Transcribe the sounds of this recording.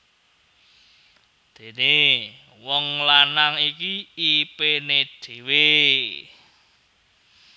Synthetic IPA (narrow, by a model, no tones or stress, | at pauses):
d̪̥e̤ne | wɔŋlanaŋikiipened̪̥e̤we